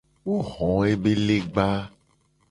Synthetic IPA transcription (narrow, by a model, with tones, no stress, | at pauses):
wo˦ɣɔ̃˨e˦be˦le˦ɡ͡ba˦